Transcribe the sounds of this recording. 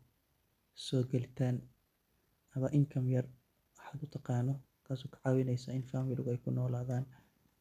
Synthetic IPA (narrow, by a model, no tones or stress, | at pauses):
sɔːɡɐlɪt̪ʰaːn | ʔɐmɐʔɪŋkʰɐmjɐr | wɐħaːd̪ʊt̪ʰɑqɑːnɔ | kʰaːsɔːkʰɐ̥ʕɑːwɪnɛjsɐɪnfaːmɪlɪɣʊɛjkʰʊnɔːlaːðaːn